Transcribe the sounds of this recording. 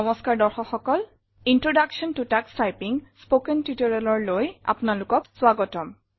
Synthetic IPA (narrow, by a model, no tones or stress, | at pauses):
ɔmɔskaɹdɔɹxɔxɔkɔl | intɹodaksɔntutakstajpiŋspokɛntitɔɹalɔɹloja̰pʊnalʊkɔkswaɡɔtɔm